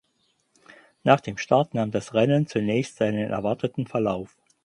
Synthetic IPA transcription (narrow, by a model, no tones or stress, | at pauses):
naːχd̥eːmʃtaɐtnaːmdasʁɛnənt͡sunɛːçstz̥aɪnənʔɛ̰ɐvaɐtətn̩fɛɐlaʊf